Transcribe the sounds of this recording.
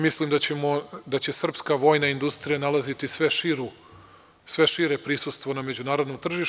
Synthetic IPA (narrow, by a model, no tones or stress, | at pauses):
mislimd̪at͡ɕemod̪at͡ɕe̞sr̩pskaʋo̞jnaind̪ust̪ɾijanalˠazit̪isʋe̞ʃiɾu | sʋe̞ʃiɾepɾisust̪ʋo̞name̞d͡ʑunaːɾo̞d̪nomt̪r̩ʒiʃ